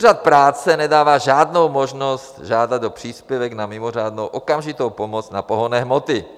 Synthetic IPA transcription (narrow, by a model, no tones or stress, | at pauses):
rat̪̚pɾaːt͡sɛnɛdaːvaːʒaːdnowmoʒnost̪ʒaːdad̪dopr̥iːspjɛvɛɡnamɪmor̝aːdnowʔokamʒɪt̪owpomot͡snapoɦonɛːɦmot̪ɪ